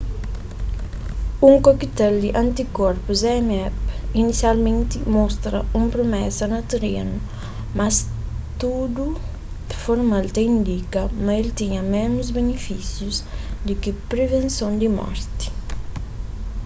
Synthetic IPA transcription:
uŋkokit̪ɛld̪iʔant̪ikɔɾpuzɛmɛpinisjalmẽnt̪imɔst̪ɾɐ̰umpɾomɛsɐnɐt̪ɾenu | mast̪ud̪u | foɾmalt̪eind̪ikɐmaelt̪iɲɐmɛnuzbenifisjusd̪ikipɾevẽnsõnd̪imɔ̰ɾt̪i̥

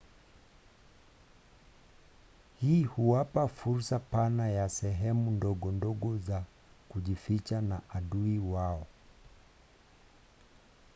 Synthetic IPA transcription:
hiːhuwapafuɾsapanajasɛɦɛmundɔɠɔndɔɡɔza | kuʄifit͡ʃanaʔaɗuiwaɔ

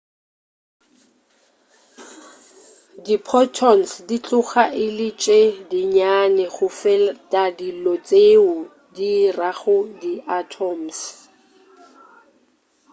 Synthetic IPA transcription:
dipʰɔtʰɔnsdit͡ɬʼʊχaʔɪlɪt͡ʃʼedɪɲanɛχʊfɛltʼadilɔt͡sʼeʊ | diraɣʊdiʔatʰɔms

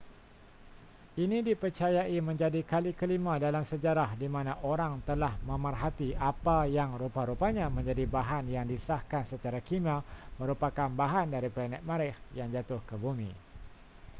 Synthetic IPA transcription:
inĩdipərt͡ʃajaʔimə̃ɲd͡ʒadikalikəlimãdalamsəd͡ʒaɾahdimãnãʔoɾaŋt̪əlahmə̃mərɦat̪iʔapajaŋɾupaɾupaɲãmə̃ɲd͡ʒadibaɦanjaŋdisahkansət͡ʃaɾakimãmə̃ɾupakanbaɦandaɾiplanɛt̪̚mãɾɪhjaŋd͡ʒat̪ʊhkəbumḭ̃

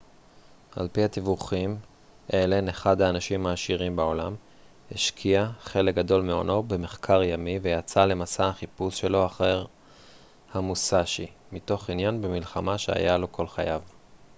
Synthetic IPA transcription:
a̰lpihat̪ivuχim | ʔeleneχad̪haːnaʃimhaːʃiʁimbao̞lam | heʃkʰiaχe̞lek̚ɡado̞lmeo̞̰no̞be̞me̞χkʰaʁjamivejat͡sale̞masaaχipusʃe̞lo̞aχeʁ | hamusaʃi | mito̞χinjanbemilχamaʃeha̰jalo̞kʰo̞lχajav

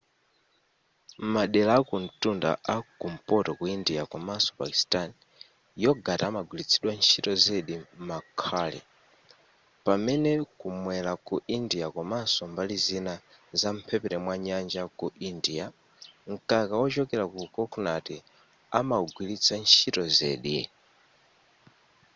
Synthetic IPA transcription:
maɗɛlaːkun̩tunda̰ʔakum̩pɔtɔkuindiakwamasɔ̥pa̰ki̥stan | jɔɡataːmaɡwilit͡sʰiɗwant͡ʃʰitɔzeɗimakʰaːlɛ̰ | pamɛnɛkumwɛlakuʔindiakwamasɔmbalizinazam̩pʰɛpɛɾɛmwaɲand͡ʒakuʔindia | ŋ̩kakawɔt͡ʃɔkɛɾakukɔkʰnatɛ | amauɡwilit͡sʰant͡ʃʰitɔzɛ̰ːɗi

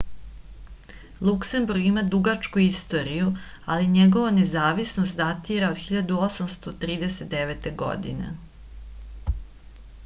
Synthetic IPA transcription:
lˠukse̞mbuɾɡimad̪uɡat͡ʃkuist̪o̞ɾiju | aliɲeɡo̞ʋane̞zaːʋisnost̪zat̪iɾaod̪xiʎad̪uo̞samst̪o̞t̪ɾiːd̪eset̪̚d̪eʋet̪e̞ɡo̞̰d̪ḭnḛ

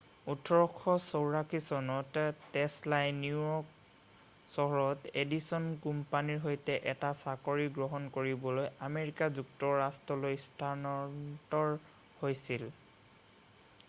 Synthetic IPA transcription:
utʰɔɹɔkʰːɔsowɹakʰisɔnɔtːɛslajnuɔk | sɔɦɔɹɔtedisɔnkumpaniɹɦojtɛʔɛtasakoɹiɡɹɔɦɔnkoɹibɔlojameɹikazuk̚tɔɹastɔlojstʰanɔtɔɹ | hojsil

